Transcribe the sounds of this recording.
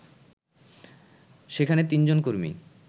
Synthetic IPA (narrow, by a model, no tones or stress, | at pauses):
ʃekʰanet̪ind͡ʑonkoɾmḭ